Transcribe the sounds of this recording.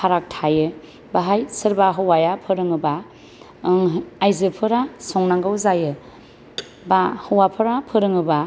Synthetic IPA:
pʰaɾak̚tʰajɯ | baɦajsɯɾbaɦɯwajapʰɯɾɯŋɯba | ŋajzɯpʰɯɾasɔŋnaŋɡɯwzajɯ | bahɯwapʰɯɾapʰɯɾɯŋɯba

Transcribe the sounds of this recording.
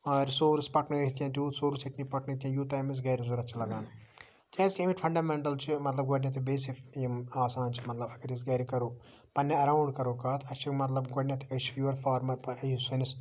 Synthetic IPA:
ɐːɾʲsoːɾɨspɐʈnɨɐɦit̪ʲjãːt̪iuːsoːɾusiʈnipɐʈnɨt̪ʲjãjuːt̪aːmis̬ɡɐːɾizuɾɐt͡ʃʰilɐɡaːn | k̪ʲaːskʲɐmiʈʲfʰɐɳɖaːmeɳʈɐlt͡ʃʰimɐt̪lɐb̚ɡɐɖʲnʲɐt̪̬ibeːsikjimaːsãːnt͡ʃʰmɐt̪lɐbɐkɐɾis̬ɡɐːɾikɐɾoː | pɐnʲːɐɐɾaːwɖkɐɾoːkaːt̪ʰɐt͡ʃʰikmɐt̪lɐbɡoɖnʲɐt̪ikɐʃfjuːʋɐɾfʰaːɾmɐɾpɐɐjisunis

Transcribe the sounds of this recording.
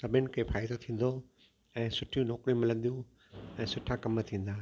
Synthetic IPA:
sɐbʱɪnɪ̆kʰepaːɪd̪ot̪ʰĩːn̆d̪o | ɛ̃ːsʊʈʰijũnɔːkɾiũmɪlə̃nd̪ijũ | ɛ̃ːsʊʈʰakɐmt̪ʰĩːn̆d̪aː

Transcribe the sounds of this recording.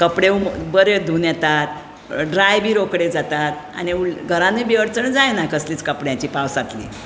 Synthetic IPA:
kəpɽeũbəɾed̪ʱunjɛt̪at̪ | ɖɾajbiːɾokɽed͡zat̪at̪̚a̰niulɡʱəɾãnebiəɾt͡səɳd͡zajnakəsliːt͡skəpɽjãt͡ɕiːpawsat̪lḭ

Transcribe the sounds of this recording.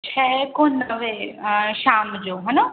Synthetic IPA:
t͡ʃʰɛːkonəʋeʃaːmd͡ʑoːɦɐna

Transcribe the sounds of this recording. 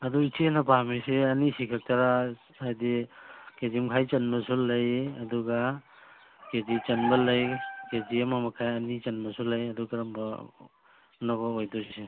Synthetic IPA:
ɐduit͡ʃʰenɐpamiseɐnisikʰak̚taɾa | ajdikezimkʰajt͡ʃɐnbɐsulːɐjɐduɡa | ked͡ʒit͡ʃɐnbɐlɐjked͡ʒiemamɐkʰajɐnit͡ʃɐnbɐsulːajɐdukɐɾɐmbɐ | nɐbɐojdɔse

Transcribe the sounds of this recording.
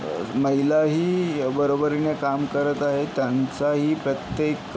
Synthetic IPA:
məɦilaɦiːbəɾobəɾinekamkəɾət̪aɦet̪jant͡saɦiːpɾət̪jek

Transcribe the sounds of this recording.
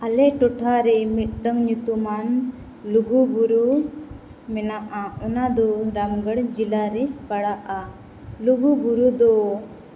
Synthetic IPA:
alɛʈɔʈʰaɾɛmit̪̚ˀɖəŋɲut̪uman | luɡubuɾu | mɛnaʔaɔnad̪ɔɾamɡəɽd͡ʒilaɾɛkaɽaʔa | luɡubuɾud̪ɔ

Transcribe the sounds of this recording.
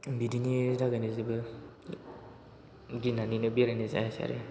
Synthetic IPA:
bidinidaɡanizebɯ | ɡinaninɯbiɾaniza̰jasa̰ɾe

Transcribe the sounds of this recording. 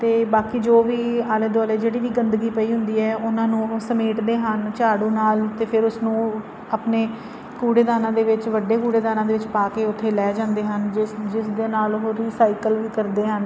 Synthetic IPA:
t̪eːbaːkiːd͡ʒoːʋiːaːlẽːd̪aːleːd͡ʒeːɽiːʋiːɡənd̪ɡiːpəiːɦʊ̃nd̪iːɛːʊnãːnũːsəmeːʈd̪eːɦənt͡ʃaːɽũːnaːlt̪eːpʰɪɾʊsnũː | aːpneː | kuːɽeːd̪aːnãːd̪eːʋɪt͡ʃʋəɖːeːkuːɽeːd̪aːnãːd̪eːʋɪt͡ʃpaːkeːʊt̪ʰːeːlɛːd͡ʒãːnd̪eːɦənɪd͡ʒɪsd̪eːnaːlɦoːɾiːsaːikəlʋiːkəɾd̪eːɦən

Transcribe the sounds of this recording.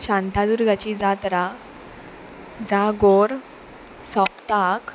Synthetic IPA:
ɕãnt̪ad̪uɾɡat͡ɕid͡zat̪ɾa | d͡zaɡoɾ | sɔpt̪ak

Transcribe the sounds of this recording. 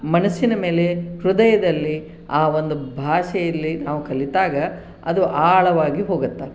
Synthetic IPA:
mɐnɐsinɐme̞ːle̞hɾud̪ɐjɐd̪ɐlːi | aːʋo̞nd̪ubʱaːʃɐjɐlːinaːʋukɐlːit̪aːɡɐ | ɐd̪uʔaːɭɐʋaːɡiɦoːɡɐt̪ːɐ

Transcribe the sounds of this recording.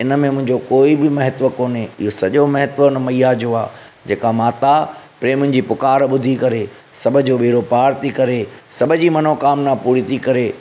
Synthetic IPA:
ɪnə̆mẽmʊ̃ɦɪ̃ɲd͡ʑokoːibɪmɐɦɪt̪ʋəkoːneɪɦosɐʄomɐɦɪt̪ʋənmɐijad͡ʑoaː | d͡ʑeːkamaːt̪apɾeːmʊ̃nɪ̆d͡ʑiːpʊkaːɾɓʊd̪ʱikɐɾe | sɐbʱʊ̆d͡ʑoːɓeːɾopaːɾt̪ʰikɐɾesɐbʱʊd͡ʑiːmɐnokaːmnapuːɾit̪ʰikɐɾeː

